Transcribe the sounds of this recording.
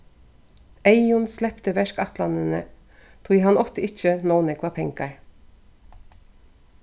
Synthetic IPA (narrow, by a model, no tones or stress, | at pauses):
æɪʊnslɛpt̪əʋɛʃkɑt̪lɑnənə | t̪ʰuːjiːhɑnɔft̪əɪt͡ʃənoːnəkʰʋɑːpʰɛŋkɑɹ